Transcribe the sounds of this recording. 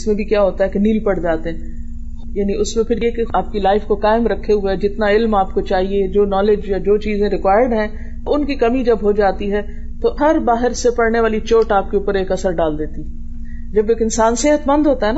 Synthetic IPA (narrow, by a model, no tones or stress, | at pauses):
ɪsmẽbʱikjaːɦoːt̪aɦɛkeniːlpɐɽ̤d͡ʒaːt̪eɛ̃ː | jaːniʊsmẽpʰɪɾjekeaːp̚kilaːɪfkokaːɪmɾɐkʰːeɦʊed͡ʒɪt̪naɪlmaːp̚kot͡ʃaːɦied͡ʒoːnɔːled͡ʒjad͡ʒoːt͡ʃiːzẽɾɪkʋaːɪəɾɖɦɛ̃ː | oʊnkikɐmid͡ʒɐbɦod͡ʒaːt̪iɦɛ | t̪oɦɐɾbaːɦɪɾsepɐɽneʋaːlit͡ʃoːʈaːp̚keuːpəɾeːkɐsəɾɖaːld̪eːt̪iɛ | d͡ʒɐbeːkɪnsaːnseɦət̪mɐ̃nd̪ʱɦoːt̪aɦɛna